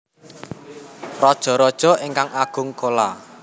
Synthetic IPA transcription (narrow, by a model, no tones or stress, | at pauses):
rɔd̥ʒ̥ɔ̤ɾɔd̥ʒ̥ɔ̤eŋkaŋaɡ̥ʊ̤ŋkola